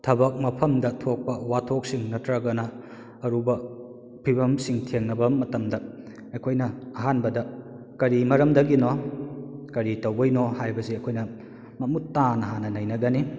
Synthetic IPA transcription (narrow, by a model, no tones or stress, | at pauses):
tʰɐbɐk̚mɐpʰɐmdɐtʰok̚pɐwatʰok̚siŋnɐtɾɐɡɐnɐ | ɐɾubɐ | pʰibɐmsiŋtʰeŋnɐbɐmɐtɐmdɐ | ɐjkʰojnɐɐɦanbɐdɐ | kɐɾimɐɾɐmdɐɡino | kɐɾitɐwbɐjnohajbɐsiɐkʰojnɐ | mɐmutːanɐɦanːɐnɐjnɐɡɐni